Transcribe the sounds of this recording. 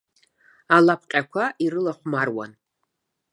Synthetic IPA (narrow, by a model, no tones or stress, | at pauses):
alapʰqʲʼakʷʰaʔiɾɨlaχʷmarwa̰n